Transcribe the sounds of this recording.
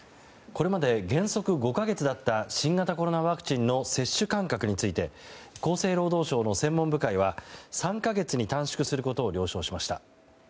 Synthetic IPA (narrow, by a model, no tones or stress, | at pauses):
ko̞ɾe̞mad̪e̞ɡẽ̞ɰ̃so̞kɯ̟ɡo̞kaɡe̞t͡sɨd̪at̪ːaɕĩŋɡat̪ako̞ɾo̞naβakɯ̥t͡ɕĩnːo̞se̞ɕːɨkãŋkakɯ̟ɲ̟it͡sɨit̪e̞ko̞ːse̞ːɾo̞ːd̪o̞ːɕo̞ːno̞sẽ̞mːõ̞mbɯ̟kaiβasãŋkaɡe̞t͡sɨɲ̟it̪ãɰ̃ɕi̥kɯ̟sɨɾɯ̟ko̞t̪o̞ːɾʲo̞ːɕo̞ːɕimaɕi̥t̪a̰